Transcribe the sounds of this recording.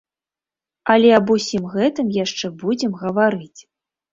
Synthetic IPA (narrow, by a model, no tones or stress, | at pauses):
ɐlʲɛɐbusʲimɣɛt̪ɨmjaʂt͡ʂɛbud͡zʲɛmɣɐvaɾɨt͡sʲ